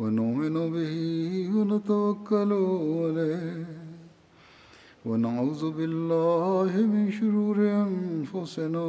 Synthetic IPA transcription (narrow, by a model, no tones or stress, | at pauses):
wanʊʔmɪnʊbɪhwanat̪awakːalʊalaːh | wanaʕuːðʊbɪlːaːhɪmɪnʃʊɾuːɾɪʔanfʊsɪnaː